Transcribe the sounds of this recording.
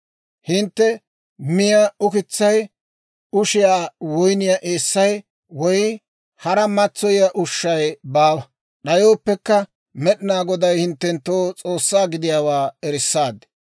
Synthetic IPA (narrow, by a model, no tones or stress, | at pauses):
hɪnt̪ːɛ | mɪjɐʊkɪt͡sːɐj | ʊʃɪjaːwɔjnɪjaʔeːsːɐj | wɔj | hɐɾɐmɐt͡sːɔjɪjaʔʊʃːɐjbaːwɐ | ɗɐjoːpːɛkːɐ | mɛɗɪnaːɡɔd̪ɐjhɪnt̪ːɛnt̪ːoːt͡sʼo̞ːsːaːɡɪd̪ɪjaːwaːɛɾɪsːaːd̪